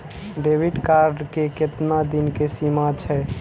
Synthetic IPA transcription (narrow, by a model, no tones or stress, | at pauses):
ɖebiɖkaɾɖkeket̪nad̪inkesimat͡ʃʰɛ